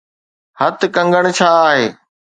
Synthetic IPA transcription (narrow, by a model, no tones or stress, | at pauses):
hɐt̪kɐ̃ŋɡəɽ̃t͡ɕʰaːaːɦeː